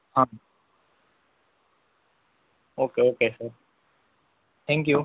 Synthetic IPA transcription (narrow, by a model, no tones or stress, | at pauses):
hãː | oːkeoːkesəɾ | t̪ʰɛ̃ŋkju